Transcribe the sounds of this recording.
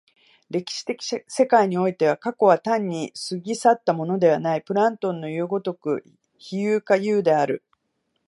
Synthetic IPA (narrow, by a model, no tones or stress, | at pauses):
ɾe̞kʲi̥ɕi̥t̪e̞kʲi̥se̞kaiɲ̟io̞it̪e̞β̞akako̞β̞at̪ãɲ̟ːisɨɡʲisat̪ːamo̞no̞d̪e̞β̞anaipɯ̟ɾãnt̪õ̞nːo̞jɯːɡo̞t̪o̞kɯ̟̰ | çijɯːkajɯːd̪e̞aɾɯ̟